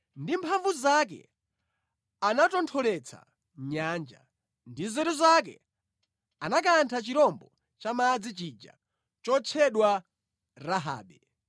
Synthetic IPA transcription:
ndimpʰaɱvuzak̬ɛ̰ | anatɔntʰɔlɛt͡sʰa̰ | ɲaːnd͡ʒa̰ | ndizɛɾizak̬ɛ̰ | anak̬antʰat͡ʃiɾɔmbɔ | t͡ʃamad͡zit͡ʃid͡ʒa̰ | t͡ʃɔt͡ʃʰɛɗwa | ɾaɦa̰ːɓɛ

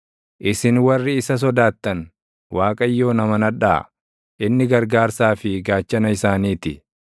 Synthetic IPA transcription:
ʔɪsɪnwɐrːɪːsɐs̬ɔd̪aːt̪ːɐn | wʔaːkʼɐjːo̞ːnɐmɐnɐᶑa̰ː | ʔɪnːɪɡɐɾɡaːɾsaːfɪɡaːt͡ʃːɐnɐɪsaːniːt̪ɪ

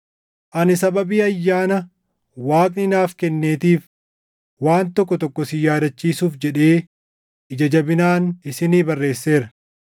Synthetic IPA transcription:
ʔɐnɪsɐbɐbiːɐjːaːnɐ | waːkʼnɪnaːfkɛnːeːt̪iːf | waːnt̪ɔkːɔt̪ɔkːɔsɪjaːd̪ɐt͡ʃːiːsuːfd͡ʒɛᶑe̞ː | ʔɪd͡ʒɐd͡ʒɐbɪnaːnɪsɪniːbɐrːe̞ːsːe̞ːɾɐ

